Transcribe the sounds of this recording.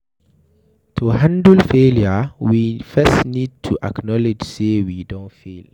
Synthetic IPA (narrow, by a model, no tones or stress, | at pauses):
tʰuɦãndəlfeljəwifɛstniːd̚tʰuʔa̰knɔlɪd͡ʒseːwidɔ̃nfil